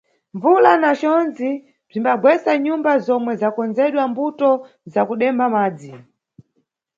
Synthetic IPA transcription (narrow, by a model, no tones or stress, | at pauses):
ɱvulanat͡ʃɔnd͡zi | b͡ʐimbaɡwɛsaɲumbazɔmwɛzakɔnd͡zɛɗwambutɔ | zakuɗɛmbamaːd͡zi